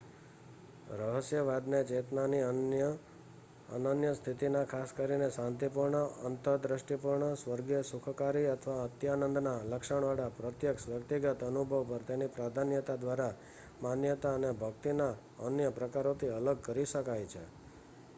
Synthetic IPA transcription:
ɾəɦəsjəʋad̪ned͡ʒet̪nani | ə̰nənjəst̪ʰit̪inakʰaskəɾinesãnt̪ipuɾɳəə̰nt̪əɾd̪ɾəʃʈipuɾɳəsʋəɾɡjəsukʰkaɾiət̪ʰəʋaət̪janənd̪naləkʃəɳ̃ʋaɽapɾət̪jəksʋjəkt̪iɡət̪ənubʱəʋpəɾt̪enipɾad̪ʱanjət̪ad̪ʋaɾa | manjət̪aənebʱəkt̪ina | ənjəpɾəkaɾot̪ʰiələɡ̚kəɾiʃəkajt͡ʃʰḛ

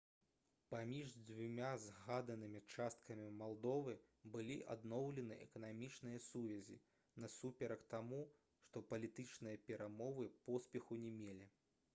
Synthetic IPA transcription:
pamʲiʐd͡zʲvʲumʲazɣad̪ɐnɨmʲit͡ʂast̪̚kɐmʲimalˠd̪ɔvɨ | bɨlʲiʔa̰d̪nɔwlʲɛnɨʔɛ̰kɐnamʲit͡ʂnɨjɐsuvʲɛzʲḭ | nɐsupʲɛɾɐkt̪amu | ʂt̪ɔpɐlʲit̪ɨt͡ʂnɨjɐpʲɛɾamɔvɨpɔspʲɛxunʲɛmʲelʲi

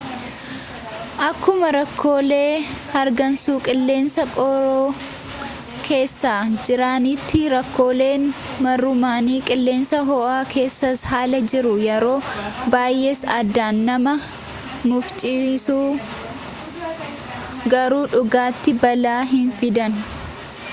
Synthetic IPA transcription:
ʔɐkːʊmɐɾɐkʰːo̞ːle̞ːhɐɾɡɐnsuːkʼɪlːe̞ːnsɐkʼɔɾoː | kʰe̞ːsːaːd͡ʒɪɾaːnit̪ːɪɾɐkːo̞ːle̞ːn | mɐrːʊmaːniːkʼɪlːe̞ːnsɐɦɔʔaːkʰe̞ːsːɐshaːlɐd͡ʒɪɾʊjɛɾo̞ːbaːjʔeːsɐd̪ːaːnːɐmɐ | mʊft͡ʃʼiːsuː | ɡɐɾuːᶑʊɡaːt̪ːɪbɐlaːɦɪnfɪd̪ɐn

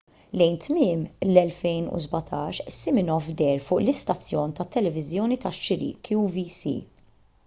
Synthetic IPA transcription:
lɛjnt̪mɪːmlɛlfɛjnṵzbɐt̪ʰɐːʃsːɪmɪnɔvd̪ɛɾfʊːʔlɪst̪ɐt͡sːjɔːnt̪ɐt̪ːɛlɛvɪzjɔːnit̪ɐʃːɪɾḭːkiuvisḭ

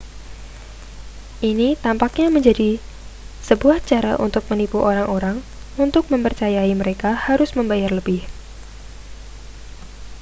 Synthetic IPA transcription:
ʔinit̪ampak̚ɲaməɲd͡ʒadi | səbuaht͡ʃaɾa̰ʔṵnt̪ʊk̚mənipuʔoɾaŋoɾaŋ | unt̪ʊk̚məmpərt͡ʃajaiməɾekahaɾʊsməmbajarləbɪh

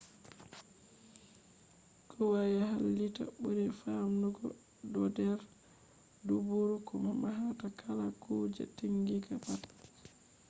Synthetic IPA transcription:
kʰɔwajaɦalːita̰buɾɛfamnuɡɔ̰ | dɔdɛɾ | dubuɾukɔmamaɦatakʰalakuːd͡ʒɛ̰tiŋɡiɡabat

